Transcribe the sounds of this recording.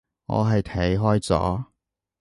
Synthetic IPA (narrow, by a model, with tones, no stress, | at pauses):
ŋɔ̰ː˨˧ɦɐ˨jt̪ʰɐ˨˥jɦɔː˥jt͡sɔ̰ː˨˥